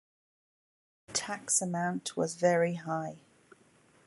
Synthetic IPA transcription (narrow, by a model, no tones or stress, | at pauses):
tʰaksəmãʊ̃nʔwɒ̰zvɛɹiɦaɪ